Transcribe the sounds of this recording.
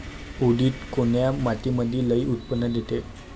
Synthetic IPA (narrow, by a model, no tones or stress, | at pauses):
uɽiːt̪koɳjamaʈ̪iməd̪ʱːiləiʔut̪̚pənːəd̪jet̪e